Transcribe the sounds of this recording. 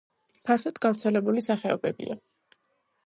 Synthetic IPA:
pʰaɾt̪ʰad̪ɡavɾt̪sʰɛlɛbulisaχɛɔ̰bɛbḭa

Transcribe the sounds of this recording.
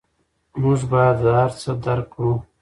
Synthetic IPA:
mʊʐbajad̪ɦaɾt͡səd̪aɾkːɽũ

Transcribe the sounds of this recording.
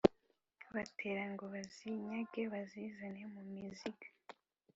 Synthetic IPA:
βatʰeɾaŋɡoβaziɲaɡeβazizanemumiziɡḁ

